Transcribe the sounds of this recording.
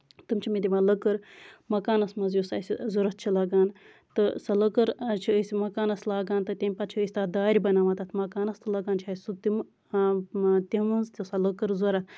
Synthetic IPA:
t̪ɨmt͡ʃʰimid̪ʲimaləkɨɾmɐkaːnɐsmɐzjusasʲizuɾɐt̪̚t͡ʃʰilɐɡaːn | t̪ɨsɐləkɐɾt͡ʃʰiəsʲmɐkaːnɐslaːɡaːnt̪ɨt̪ʲemʲpat͡ʃʰiəsʲt̪aːd̪aːɾʲbɐnaːʋat̪at̪ʰmɐkaːnɐst̪ʰɨlɐɡaːnt͡ʃʰiaːsut̪im | t̪imɐnzt̪ʲusaləkɨɾzuɾa

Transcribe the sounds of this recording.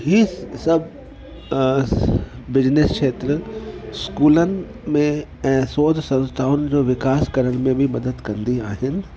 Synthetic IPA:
ɦisɐbʱ | bɪd͡ʑneskʃeːt̪ɾəskuːlənɪ̆ | mẽ | ɛ̃ːsoːd̪ʱsɐ̃nst̪ʰaːʊnɪ̆d͡ʑoːʋɪkaːskɐɾəɽ̃mẽbʱimɐd̪əd̪kɐnd̪iaːɦɪnɪ̆

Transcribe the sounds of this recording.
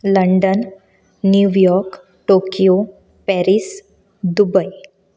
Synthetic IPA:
ləɳɖənː | juʋjɔɾk | ʈokijo | pɛɾis | d̪ubəj

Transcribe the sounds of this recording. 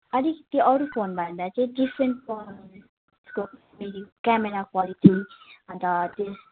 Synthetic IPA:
ʌlikt̪iʔʌɾupʰonbʱʌnd̪at͡sãĩdifɾenʈpon | sko | meɾikkameɾakwalitʰiʌnt̪ʌt̪es

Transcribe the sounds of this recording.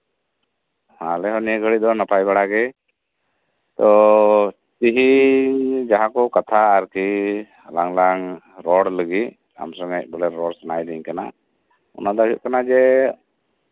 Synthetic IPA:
hãlɛɦɔnijəɡʱəɽid̪ɔnapajbaɽaɡɛ | t̪ɔ | t̪iɦi | d͡ʒaɦãkɔkat̪ʰaːɾki | laŋlaŋ | ɾɔɽləɡi | a̰msɔŋɡac̚ˀbəlɛɾɔɽsanajd̪iɲkana | ɔ̰nad̪ɔɦiʔ̪̚kanad͡ʒɛ

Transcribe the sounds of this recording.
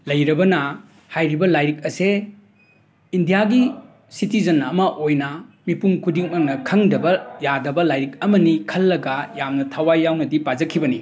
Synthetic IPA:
lɐjɾɐbɐnɐ | hajɾibɐlajɾik̚ɐse | indijaɡi | sitizɐnɐmɐʔojnɐmipuŋkʰudiŋmɐŋnɐkʰɐŋdɐbɐjadɐbɐlajɾik̚ɐmɐnikʰɐlːɐɡɐjamnɐtʰawajːawnɐdipazɐkʰːibɐni

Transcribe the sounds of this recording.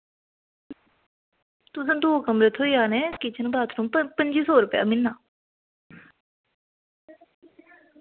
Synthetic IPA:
t̪ʊs̬ənd̪oːkəmɾet̪ʰːõːiaːnɛːkɪt͡ʃʰənbaːt̪ʰnõːəpəɲd͡ʒiːsɔːɾʊpja̰ːmɪnːaː

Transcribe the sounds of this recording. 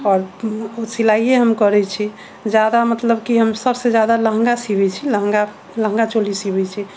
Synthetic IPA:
ɔɾusilaieɦəmkɔɾɛt͡ʃʰi | d͡ʒjad̪amət̪ləbkiɦəmsəbsed͡ʒjad̪alə̃ɦŋɡasibɛt͡ʃʰilə̃ɦŋɡa | lə̃ɦŋɡat͡ʃolisibɛt͡ʃʰi

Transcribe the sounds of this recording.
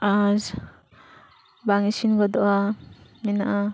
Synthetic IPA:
az | baŋisinɡɔd̪ɔʔaminaʔa

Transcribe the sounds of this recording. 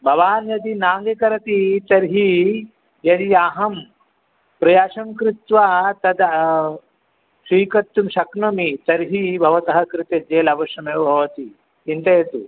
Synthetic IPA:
bʱɐʋaːnjɐd̪inaːŋɡekɐɾɐt̪it̪ɐɾɦi | jɐd̪iaːɦɐm | pɾɐjaːʃɐmkɾɪt̪ʋat̪ɐd̪ | siːkɐt̪ːumʃɐknɐmit̪ɐɾɦibʱɐʋɐt̪ɐɦɐkɾɪt̪ed͡ʒeːlɐʋɐʃjɐmeːʋɐbʱɐʋɐt̪i | int̪ɐjɐt̪u

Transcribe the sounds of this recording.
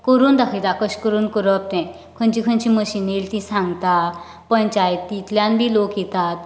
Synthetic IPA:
kəɾuːnd̪akʰit̪akəɕkəɾuːnkəɾəp̚t̪ɛ̃ | kʰənt͡ɕikʰənt͡ɕĩməɕinelt̪ĩsãŋɡt̪a | pənt͡ɕajt̪it̪ljãnbʱiːlokjit̪at̪̚

